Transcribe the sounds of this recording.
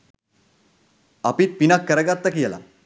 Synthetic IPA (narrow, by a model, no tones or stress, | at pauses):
apiːt̪̚pinakːəɾəɡat̪ːakjɛla̰